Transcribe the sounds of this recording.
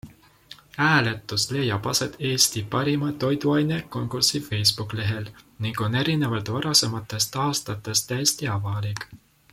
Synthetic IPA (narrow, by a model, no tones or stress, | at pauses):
æːle̞t̪ːˑusle̞jːɑpɑse̞t̪e̞ːst̪ipɑɾimɑt̪o̞jd̪uɑjne̞ko̞ŋkursife̞jsb̥ukˑle̞ɦe̞lniŋɡ̥o̞ne̞ɾine̞vɑlt̪vɑɾɑse̞mɑt̪ːˑe̞st̪ɑːst̪ɑt̪ːˑe̞st̪ːæjst̪iɑvɑlikˑ